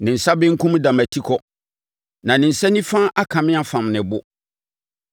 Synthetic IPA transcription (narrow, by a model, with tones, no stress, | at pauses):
nɪ̃˨n̩˨sa˦bɪ̃˦ŋ̩˦kʰũ˦m˦da˨mæ˨tʰi˦kʰɔ˨ | nã˨nɪ̃˨n̩˨sɛ˦nĩ˦fã˦ʔa˦kʰã˨mɪ̃˦a˦fã˨mnɪ̃˨bʊ˦